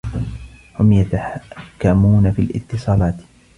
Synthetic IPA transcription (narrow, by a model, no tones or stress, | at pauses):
hʊmjat̪aħakːamuːnafiːlʔɪ̰t̪ːɨsˤɑːlaːt̪